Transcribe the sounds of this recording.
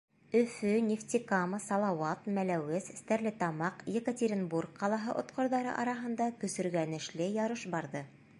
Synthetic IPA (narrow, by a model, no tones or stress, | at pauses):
ɵ̆fɵnʲeft̪ʲikaməsɑlˠɑwɑt̪mælæwɘs̆st̪æɾlɘt̪ɑmɑqjekətʲeɾʲinburk̚qɑlˠɑɦɤʔŏt̪qŏɾðɑɾɤ̰ʔɑɾɑɦɤ̆nd̪ɑkɵ̆sɵ̆ɾɡænɘ̆ʃlɘjɑɾɤʃbɑɾðɤ